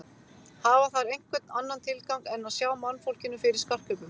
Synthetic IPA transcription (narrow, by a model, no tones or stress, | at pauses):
haːvaθaɾejŋ̥kvɛt̪nanːant̪ʰɪlkawŋkɛnaðsjaːwmanːfowl̥cɪnːʏfɪɾɪɾ̥skar̥kœpʏm